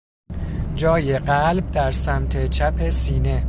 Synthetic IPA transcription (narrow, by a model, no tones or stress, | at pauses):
d͡ʒɒːjeɢælb̚d̪æɾsæmt̪ʰet͡ʃʰæpʰe̞siːne̞